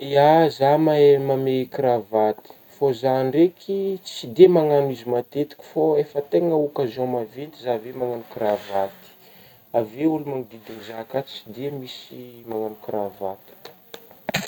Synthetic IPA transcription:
iazamaemamekiɾavat̪i̥fozaɳɖ͡ʐekʰit͡sid̪emaŋanizimat̪et̪i̥kʲi̥foefət̪eŋəukazomavent̪izavemaŋanukiravat̪i̥ | aveulumaŋid̪id̪iŋizakat͡sid̪emisimaŋanukravat̪i̥

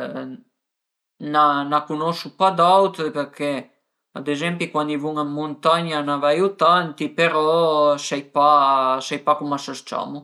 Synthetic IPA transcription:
nanakunɔʃupad̪awt̪pɛɾkɛ | ad̪ɛzɛmpikwand̪ivuŋamunt̪aɲanavajut̪ant̪ipɛɾɔsɛjpasɛjpakumasəst͡ʃa̰mu

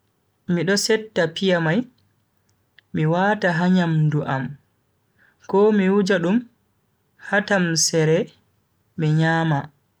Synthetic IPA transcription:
miɗɔsɛtːapijamaj | miwaːtaɦaɲamduʔam | kɔmiwud͡ʒaɗum | hatamsɛɾɛ | miɲaːma

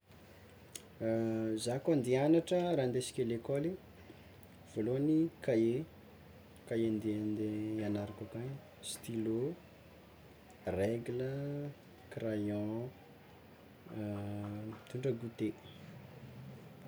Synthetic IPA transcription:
zakand̪ianaʈ͡ʂəɾaːnd̪esi̥kʲelekoli | v̥oloanikae | kaend̪end̪eanaɾikakaj | st̪ilo | rɛɡlə | krajɔ̃ | t̪uɳɖ͡ʐəɡut̪e

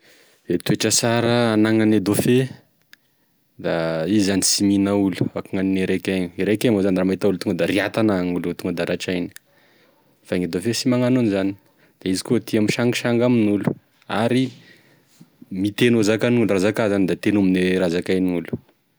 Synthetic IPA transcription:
et̪ueʈ͡ʂəsaɾəːnaŋaned̪ofe | d̪aizizanisiminaulu̥akaŋanineɾekʲaɲiiɾekaŋozaniramet̪aulut̪uŋɡəd̪aɾiat̪anaŋulut̪uŋɡəd̪aɾaʈ͡ʂajni̥ | faŋid̪ofesimaŋanunzani̥ | d̪̥aizikot̪iamiʃaŋɡiʃaŋɡaminulu̥ | aɾi | mit̪enozakanulurazakazanid̪at̪enamineɾazakajniulu̥

